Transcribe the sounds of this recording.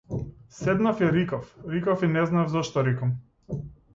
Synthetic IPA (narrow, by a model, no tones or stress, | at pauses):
sɛd̪nafɛɾikafɾikafinɛznaɛvzɔʃt̪ɔɾikam